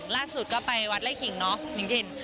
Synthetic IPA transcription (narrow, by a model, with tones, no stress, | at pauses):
laː˥˩su˨˩t̪̚kɔː˥˩pa˧jwa˦˥t̪̚la˥˩kʰi˨˩˦ŋnɔ˦˥t͡ɕi˨˩˦ŋse˧n